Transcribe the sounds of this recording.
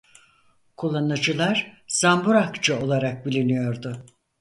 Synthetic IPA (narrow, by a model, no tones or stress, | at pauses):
kʰulˠːanɯd͡ʒɯlˠaɾz̥ambuɾakt͡ʃɯo̞lˠaɾak̚bilʲinijo̞ɾd̪ʊ